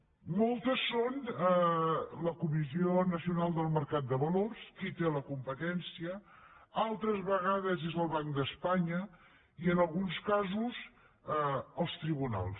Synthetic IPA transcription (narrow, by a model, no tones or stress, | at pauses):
molˠt̪əsːonələkumizionəsiunalˠd̪əlˠməɾkat̪̚d̪əβəlorskit̪eləkumpət̪ɛnsiə | alˠt̪ɾəzβəɣaðəzezəlˠβaŋd̪əspaɲə | iənəlˠɣunskazuz | əlˠst̪ɾiβuna̰lˠs